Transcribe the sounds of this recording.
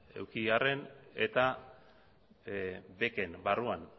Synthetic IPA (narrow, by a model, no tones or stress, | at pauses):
e̞̰wkiare̞ne̞t̪a | be̞ke̞nbaruan